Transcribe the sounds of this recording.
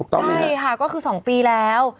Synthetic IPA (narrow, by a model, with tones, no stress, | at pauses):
u˨˩t̪ɔ̰˥˩˥jkʰa˥˩kɔː˥˩kʰɯː˧sɔː˩˦ŋpiː˧lɛː˦˥w